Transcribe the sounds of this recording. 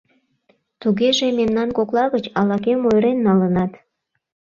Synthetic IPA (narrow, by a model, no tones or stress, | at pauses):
t̪uɣeʒememnɑnkoklˠɑɣət͡ɕɑlɑkemojɾenːɑlənɑt̪